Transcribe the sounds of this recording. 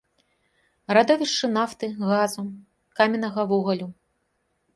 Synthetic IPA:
rad̪ɔvʲiʂt͡ʂːɨnaft̪ɨɣazu | kamʲɛnɐɣɐvuɣɐlʲu

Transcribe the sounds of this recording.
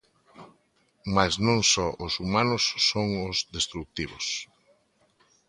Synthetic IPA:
maznõŋsɔʔʊsumanʊsːoŋʊzðest̪ɾuk̚t̪iβʊs

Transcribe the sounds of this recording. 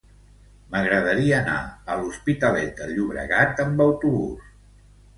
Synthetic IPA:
məɣɾəðəɾiəːna̰əluspit̪əlɛt̪əʎuβɾə̰ɣat̪əmbəwt̪uβṵs

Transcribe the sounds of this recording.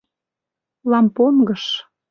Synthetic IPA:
lˠɑmponɡɤ̆ʃ

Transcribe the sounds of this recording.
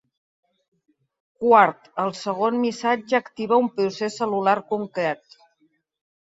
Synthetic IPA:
kwaɾt̪əlˠsəɣ̞onmisad͡ʒəːkt̪iβəumpɾusesəlulaɾkuŋkɾɛt̪

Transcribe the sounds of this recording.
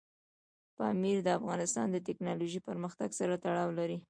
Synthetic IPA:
pɑ̰miɾd̪əafɣɑnɪst̪ɑ̰nd̪ət̪̬ɪknɑloʒipəɾməxt̪aɡsaɾat̪aɽɑwlaɾi

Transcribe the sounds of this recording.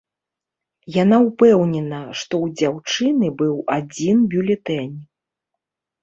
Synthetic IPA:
janaupɛwnʲɛnɐʂt̪ɔwd͡zʲawt͡ʂɨnɨbɨwad͡zʲinbʲulʲɛt̪ɛnʲ

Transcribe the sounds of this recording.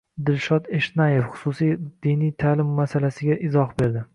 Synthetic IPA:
d̪ɪlʃɒd̪eʃnajefχʊ̥sʊsijd̪̥inijt̪ʰaːlɪmːasalasɪɡʲaʔɪzɒχbe̞ɾd̪ɪ

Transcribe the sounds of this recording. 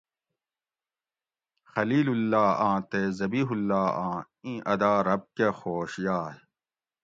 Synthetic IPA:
xɐliːlulːaːãːt̪ezɐbiːɦulːaːãː | ĩːʔɐd̪aːɾɐb̚kexoːɕjaː

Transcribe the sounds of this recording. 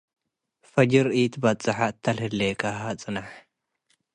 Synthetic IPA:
fɐd͡ʒɪɾiːt̪bɐt͡sʼɐħat̪ːɐlhɪlːeːkɐɦat͡sʼɨnɐħ

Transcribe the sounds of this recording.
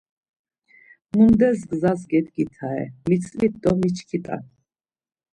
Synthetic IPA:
mund̪ɛsɡzasɡɛd̪ɡit̪ʰaɛ̰mit͡sʰʼlit̪̚d̪ɔmit͡ʃʰkʰit̪ʼa̰n

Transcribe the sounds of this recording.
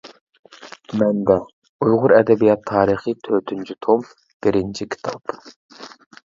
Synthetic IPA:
mɛnb̪ɛ | ujʁʊɾɛd̪ɛbijɑt̪ʰːɑːɾɨχɨt̪ʰøːt̪ʰynt͡ʃʰyt̪ʰom | b̥ɪɾɪnt͡ʃʰikʲʰi̥t̪ʰɑp

